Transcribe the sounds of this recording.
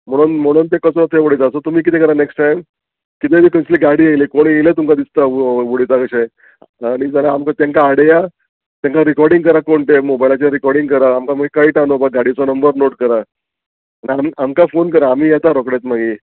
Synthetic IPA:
m̤əɽ̃uːnm̤əɽ̃uːnt̪ekəsɾɔt̪ʰeʋoɽit͡sasot̪um̤iːk̬it̪ʰekəɾaneksʈʈajm | kit̪ʰemiːkəsliːɡaɽiːajliːkoɽ̃ielet̪umkad̪ist̪aʋoɽit͡s̪akəɕe | ɽ̃id͡zalaːmkat̪jãŋkaːɽeja | t̪jãŋkaɾikɔɾɖĩŋɡkəɾakoɳʈ̪emobajlat͡ɕaɾikɔɾɖiŋɡkəɾaːmkaməɡekaiʈanopaɡaɽit͡sɔnəmbəɾnoʈkəɾa | aɽ̃iamamkafonkəɾaːm̤iːjɛt̪aɾokɽet̪maɡi

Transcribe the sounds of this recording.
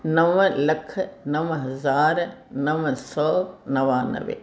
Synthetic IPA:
nɐʋlɐkʰnɐʋɦɐzaːɾnɐʋsɔːnɐʋaːnɐ̰ʋḛ

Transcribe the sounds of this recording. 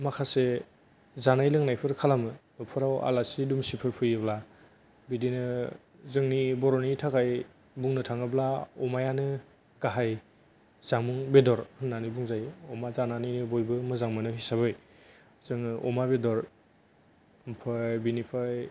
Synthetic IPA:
makʰase | zanajlɯŋnajpʰɯɾkʰalamɯnɔpʰɯɾawʔa̰lasidumsipʰɯɾpʰɯjɯbla | bidinɯ | zɯŋnibɔɾɔnitʰakʰaj | buŋnɯtʰaŋɯblaɔmajanɯ | kaɦaj | zaŋmuŋbedɔɾhɯnːanibuŋzajɔmazananijnɯbojbɯmɯzaŋmɯnɯɦisabɯj | z̥ɯŋʔɔ̰mabedɔɾ | mpʰabinipʰaj

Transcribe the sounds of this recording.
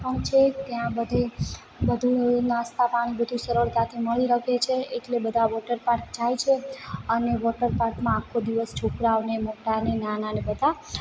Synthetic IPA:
pəɳt͡ʃʰet̪jãbəd̪ʱe | bəd̪ʱunãst̪apaɽ̃ibəd̪ʱũsəɾəɭk̪at̪ʰeməɭiɾəkʰet͡ʃʰeeʈlebəd̪ʱaʋɔʈəɾpaɾk̚d͡ʒajt͡ʃʰeəneʋɔʈəɾpaɾkmãːkʰːod̪iʋəst͡ʃʰokɾaʋnemoʈanenananebəd̪a

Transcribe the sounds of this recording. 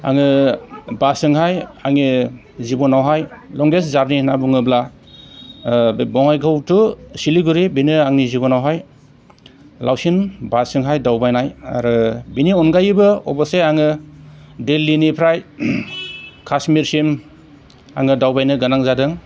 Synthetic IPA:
a̰ŋɯbasɯŋɦajaŋni | zibɔnawɦajlɔŋɡeszaɾninabuŋɯbla | bɔŋajɡɯwtusiliɡuɾibinɯaŋnizibɔnawɦaj | lawsinbasɯŋɦajdawbajnaja̰ɾɯbiniɔnɡajbɯɔ̰baseaŋɯ | delːinipʰɾaj | kʰasmiɾsim | a̰ŋɯdawbajnɯɡanaŋzadɯŋ

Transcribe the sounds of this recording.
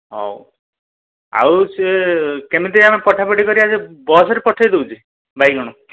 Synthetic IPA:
ɔ̰w | a̰wsekemit̪eɾiamepɔʈʰapeʈikɔɾiad͡ʒebɔsɔɾepɔʈʰajd̪eut͡ʃʰi | bʱajɡɔɽ̃u

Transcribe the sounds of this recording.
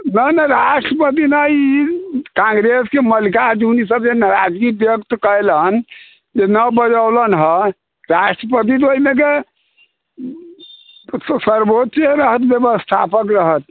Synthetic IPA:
nənəɾasʈɾəpət̪̬inəikãŋɡɾeskeməlikad͡ʒunisəbd͡ʒenaɾad͡ʒɡibjəkt̪kəjlən | d͡ʒenəbəd͡ʒəwlənɦə | ɾasʈɾəpət̪̬it̪̬oɦimeke | ssəɾbot̪t͡ʃeɾəɦət̪bjəbəst̪ʰa̰pəkɾəɦət̪̚

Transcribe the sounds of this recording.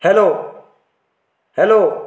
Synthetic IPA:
hɛloː | hɛloː

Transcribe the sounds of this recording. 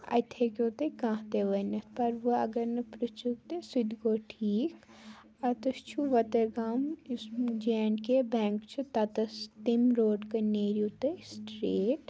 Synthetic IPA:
ɐ̰t̪ʰekʲoːt̪ekãːt̪eʋɐnɐt̪ʰpɐɾʋɐɐ̰ɡɐɾnɐpɾut͡ʃuk̚t̪esud̪ɡoːʈʰiːk | ɐt̪ɐst͡ʃʰuʋɐt̪ɐɡaːm | d͡ʒeːnkebɛ̃ːŋkt͡ʃʰut̪ɐt̪ɐst̪imɾoːɖkɐneːɾjut̪esʈɾeːʈ

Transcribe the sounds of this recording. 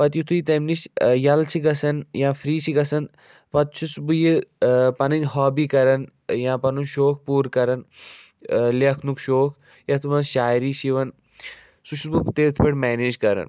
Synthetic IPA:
pɐt̪jut̪ʰujit̪ɐmniʃjɐlt͡ʃʰiɡɐsɐnjãːfɾiːt͡ʃʰiɡɐsɐnd̪ | pɐt̪̚t͡ʃʰusbujipɐnɐnʲɦɔːbiːkɐɾɐn | jãːpɐnunʃoːk̚ʰpuːɾkɐɾɐn | leɐkʰnukʃoːkʰ | jɐt̪ʰmɐnʃaːjɾiːʃiʋɐn | suʃʰubut̪eːt̪ʰpʰɐʈmɛːneːd͡ʒkɐɾɐ̰n

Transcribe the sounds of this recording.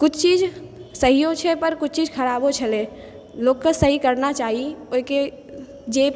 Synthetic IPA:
kʊt͡ʃʰt͡ʃid͡ʒsəɦijot͡ʃʰɛpəɾkʊt͡ʃʰt͡ʃid͡ʒkʰəɾabot͡ʃʰəle | loːkkasəɦikəɾnat͡ʃaːɦioike | d͡ʒep

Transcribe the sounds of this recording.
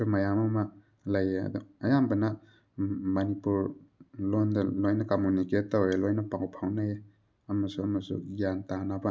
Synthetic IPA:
umɐjamɐmɐk̚ | lɐjeɐ̰duɐjambɐnɐ | mɐnipuɾlondɐlojnɐkomuniket̚ːowelojnɐpaŋopʰawnae | ɐmɐsuɐmɐsṵɡjantanabɐ

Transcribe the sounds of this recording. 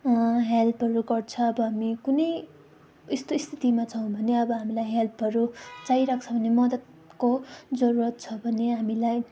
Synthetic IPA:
ɦelpʰʌɾuɡʌrt͡sʰʌːbʌɦamikunʌj | ist̪oist̪ʰit̪imat͡sʰʌw̃bʱʌneʌbʌɦamilajɦelpʰʌɾut͡saiɾak̚t͡sʰʌbʱʌnemʌd̪ʌt̪̚ | kod͡zʌɾuɾʌt̪̚t͡sʰʌbʱʌneɦamilaj

